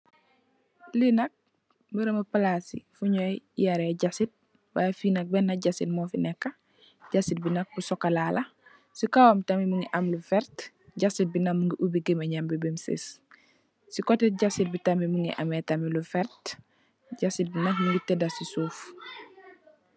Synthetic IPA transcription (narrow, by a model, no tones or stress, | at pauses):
linɐk̚ | mbəɾɐmɐpalasḭfuɲojjaɾeɟasit̚ | wafinɐk̚bɛnːɐɟasit̚mɔfinɛkːɐ | ɟasit̚binɐk̚busɔkːalalʔɐ | sikawamtamimuŋɡiʔɐmlufɛɾt | ɟasit̚binɐkmuŋɡiʔubiɡemeɲambibimsḭs | sikɔtɛt̚ɟasit̚bitamimuŋḭʔa̰mɛtamilufɛɾt | ɟasit̚binɐk̚muŋɡitɛdasisuːf